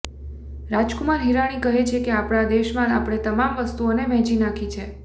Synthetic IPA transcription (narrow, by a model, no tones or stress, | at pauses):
ɾad͡ʒkumaɾɦiɾaɽ̃ikəɦet͡ʃʰekeapɽ̃ad̪eʃmãlapɽ̃et̪əmamʋəst̪uonemɛɦd͡ʒinakʰit͡ʃʰe